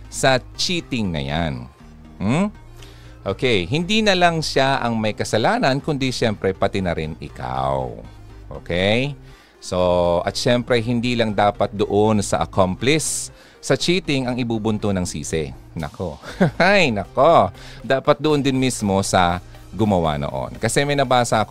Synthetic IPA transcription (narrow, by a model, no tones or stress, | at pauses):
sɐt͡ʃiːt̪ɪŋnɐ̰ja̰n | m̩ | ʔoːkɛjɦɪnd̪inɐlɐŋʃaʔɐŋmɐjkɐsɐlaːnɐnkʊnd̪iʃɛmpɾɛpɐt̪ɪnɐɾɪnɪ̰kʰa̰w | ʔo̰kɛj | so̞ʔɐ̰t̪̚ʃɛmpɾɛɦɪnd̪iːlɐŋd̪aːpɐt̪̚d̪oʔonsɐ̰ʔɐkomplɪsː | ɐt͡ʃiːt̪ɪŋɐŋɪbuːbʊnt̪onɐŋsḭːsɛ̰ | nɐ̰koajnɐkod̪aːpɐt̪̚d̪oʔond̪ɪnmismo̞sɐ | ɡʊmɐwa̰no̰ʔo̞̰nkɐsɛmɐjnɐbaːsɐʔɐk